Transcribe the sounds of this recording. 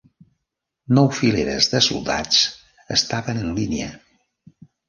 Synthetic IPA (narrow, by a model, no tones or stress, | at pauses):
nɔwfileɾəzðəsṵlˠd̪a̰t͡s | əst̪aβənənlineə